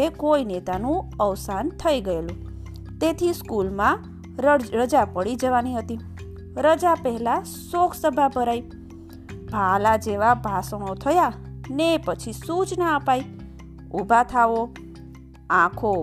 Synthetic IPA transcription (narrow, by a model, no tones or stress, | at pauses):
ekoinet̪anũəʋsant̪ʰəiɡəelũ | t̪et̪ʰiskulmã | ɾəd͡ʒapəɽid͡ʒəʋaniɦət̪i | ɾəd͡ʒapəɦɛla | sokʰsəbʱabʱəɾai | bʱalad͡ʒeʋabʱasəɽ̃ot̪ʰəjanepət͡ʃʰisut͡ʃnaəpai | ubʱat̪ʰaʋo | ãkʰo